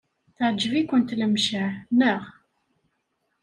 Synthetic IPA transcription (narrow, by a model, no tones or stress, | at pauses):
θəʕd͡ʒːəvikʷːənt̪ləmʃanəʁ